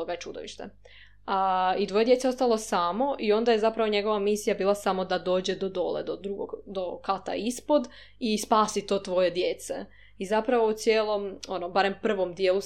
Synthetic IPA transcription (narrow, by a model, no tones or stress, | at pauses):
oɡait͡ʃud̪oʋḭʃt̪ḛ | ait̪ʋo̞je̞d̪je̞t̪eo̞st̪alˠo̞saːmo̞ʔio̞nd̪aje̞zapɾaʋo̞ɲe̞ɡoʋamisijabiːlˠasamo̞d̪ad̪o̞ːd͡ʑe̞d̪o̞d̪o̞̰lḛd̪od̪ɾuɡo̰ɡd̪o̞kat̪a̰ispod̪ | ispaːsit̪o̞ːt̪ʋo̞je̞d̪jeːt̪sḛ | izapɾaʋout̪sjeːlˠo̞mo̞nobaɾe̞mpr̩ʋo̞md̪jeːlu